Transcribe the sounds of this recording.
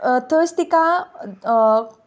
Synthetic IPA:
t̪əst̪ika

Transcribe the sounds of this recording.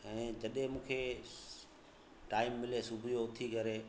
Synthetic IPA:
ɛ̃ːd͡ʑɐɗẽmũːkʰe | ʈaːɪmːɪlesubʱijot̪ʰikɐɾeː

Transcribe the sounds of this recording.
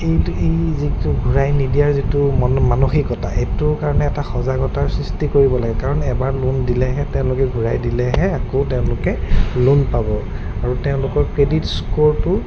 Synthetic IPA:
ejtejzituɡʱuɹajnidijaɹzitʊmanoxikɔta̰ʔetʊɹkaɹɔnɛɛtaxɔzaɡɔtaɹsɹistikoɹibɔlaɡɛkaɹɔnɛbaɹlundilɛɦɛtɛʊ̃lʊkɛɡʱuɹajdilɛɦɛakotɛʊ̃lʊkɛlunpabɔ | aɹutɛʊ̃lʊkɔɹkɹeditskultʊ

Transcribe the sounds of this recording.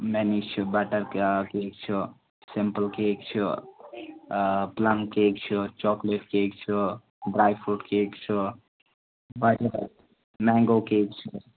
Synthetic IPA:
mɛnist͡ʃʰubaʈəɾkkek̚t͡ʃʰu | sempəlkekt͡ʃʰu | plamkek̚t͡ʃʰut͡ʃɔkleʈkekt͡ʃʰu | ɖɾajpʰuʈkekt͡ʃʰu | baʈɾ | mɛŋɡokek̚t͡ʃʰu

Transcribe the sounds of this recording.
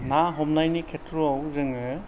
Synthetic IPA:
naɦɔmnajnikʰetʰɾoawzɯŋɯ

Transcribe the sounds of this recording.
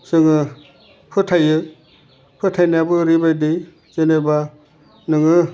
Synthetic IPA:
sɯŋɯ | pʰɯtʰajɯ | pʰɯtʰajnabɯɾibajdi | zeneba | nɯŋɯ

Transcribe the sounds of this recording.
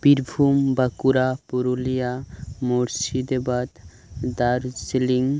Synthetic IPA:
biɾbʱumbakuɾapuɾulijamoɾsid̪ebat̪ | d̪aɾsiliŋ

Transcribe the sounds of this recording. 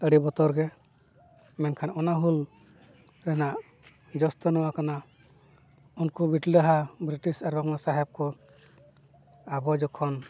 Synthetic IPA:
əɽibɔt̪ɔɾɡɛ | mɛnkʰanɔnaɦul | ɾɛnaʔ | d͡ʒɔst̪ɔnɔwakana | unkɔbiʈiɾaɦabɾiʈisaɾɔŋasaɦɛb̚kɔ | abɔd͡ʒɔkʰɔn

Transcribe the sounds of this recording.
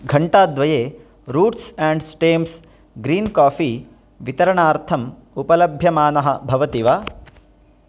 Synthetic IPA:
ɡʱɐɳʈaːd̪ʋɐjeː | ɾuːʈsɛ̃ːɳɖsʈeːms | ɡɾiːnkaːfiː | ʋit̪ɐɾɐɳaːɾt̪ʰɐm | upɐlɐbʱjɐmaːnɐɦɐbʱɐʋɐt̪iʋaː

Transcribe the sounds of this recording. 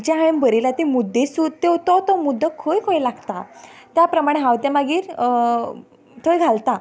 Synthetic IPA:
d͡ʑãɦaembəɾilat̪emud̪ːesut̪ːet̪ɔt̪ɔmud̪ʱəkʰojkʰojlaɡt̪at̪japɾəmaɽ̃eɦãwt̪jãmaɡiːɾ | t̪ʰoɭjɡʱalt̪a

